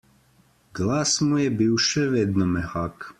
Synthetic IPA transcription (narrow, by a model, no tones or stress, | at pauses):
ɡlˠasmujɛbiwʃɛved̪nomɛxak